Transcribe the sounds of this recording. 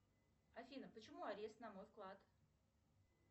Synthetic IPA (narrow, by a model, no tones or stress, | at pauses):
ɐfʲinəpət͡ɕɪmuaɾʲest̪nɐmojfklˠat̪